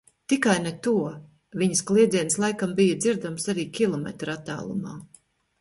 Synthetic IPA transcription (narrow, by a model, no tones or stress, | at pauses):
t̪ikajnet̪uɔ | viɲəsklˠiɛd̪zʲiɛnslˠajkambijad̪ziɾd̪amsaɾiːkʲilˠɔmɛ̰t̪ɾat̪ːa̰ːlˠṵma̰ː